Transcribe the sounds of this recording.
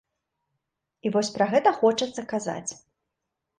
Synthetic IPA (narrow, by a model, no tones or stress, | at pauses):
ivɔsʲpɾɐɣɛt̪ɐxɔt͡ʂɐt̪sːɐkaza̰t͡sʲ